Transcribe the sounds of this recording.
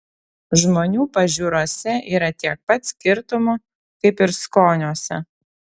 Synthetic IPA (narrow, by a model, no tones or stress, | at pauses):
ʒmoːnʲuːpɐʒʲuːɾoːsʲɛʔiːɾɐt̪ʲiɛk̚pɐt̪sʲkʲɪɾt̪ʊmʊ | kɐɪpɪɾskoːnʲuːsʲɛ